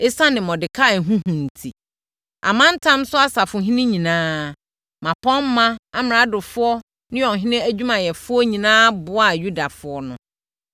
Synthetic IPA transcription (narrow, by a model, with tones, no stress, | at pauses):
e˦sa˦nɪ̃˨mɔ̃˨dɪ˨kʰa˦˨n̩˨ɦũ˦hũ˨n̩˨tʰi˨ | ʔa̰˨mã˦n̩˦tʰã˦m˦sʊ˦a˦sa˨fʊ˨ɦĩ˦nɪ̃˦ɲĩ˨nãː˦ | mã˨pʰɔ̃˦m̩ː˦ã˦a˦mɪ̃˨a˦dʊ˨fʊ˦ɔ˦ | nɪ̃˦jɔ̃˨n˨ɦɪ̃˦nɪ̃˦æ˦d͡ʑᶣu˦mã˨jɛ˨fʊ˦ɔ˦ɲĩ˨nãː˦bʊ˦a˨ju˦da˨fʊ˨˦ɔ˦nʊ̰̃˨